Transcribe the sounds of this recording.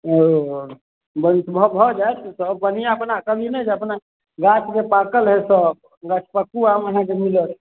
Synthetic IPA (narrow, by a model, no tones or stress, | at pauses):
o | bənt̪bʱɔbʱɔd͡ʒajt̪ʰsəbːənijaəpnakəbʱinɛd͡ʒeəpna | ɡat͡ʃʰkepakəlɦesəb̚ | ɡat͡ʃʰpəkːuaməɦãkemilət̪ʰ